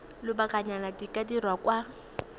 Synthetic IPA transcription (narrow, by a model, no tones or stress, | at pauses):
lɪbakʼaɲaladikʼadirwakwa